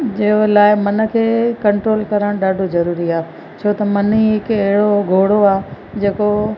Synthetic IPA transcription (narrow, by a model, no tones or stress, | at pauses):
d͡ʑɐolaːɪmɐnə̆kʰeːkɐ̃ɳʈɾoːlkɐɾəɽ̃ɗaːɖʱozɐɾuːɾiaː | t͡ɕʰoːt̪ɐmɐniɦɪkɐɦɪɽoɡʱoːɽoaːɦe | d͡ʑeːko